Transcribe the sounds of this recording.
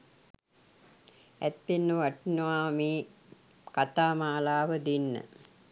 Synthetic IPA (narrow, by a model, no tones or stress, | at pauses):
æ̰t̪ʋenːəʋaʈinəʋaːmiː | kat̪aːmaːlaːʋəd̪inːə̰